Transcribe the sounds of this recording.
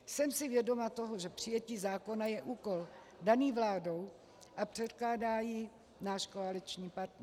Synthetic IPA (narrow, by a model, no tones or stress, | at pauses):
sɛmsɪvjɛdo̞mat̪o̞ɦoʒɛpr̝̥ɪjɛciːzaːko̞najɛʔuːko̞l | daniːvlaːdo̞w | ʔapr̝̥ɛt̪klaːdaːjɪ | naːʃkoalɪt͡ʃɲiːpaɾt̪nɛ